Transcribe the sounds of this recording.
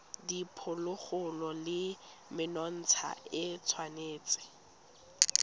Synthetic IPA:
dipʰʊlʊk͡xʊlɔlɪ | mɪnɔn̩t͡sʰa̰ɪt͡sʰwaneːt͡sʼɪ̥

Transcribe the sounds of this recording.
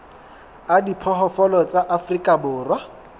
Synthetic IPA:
adipʰɔɦɔfɔlɔt͡sʼaʔafrikʼabʊːrwa

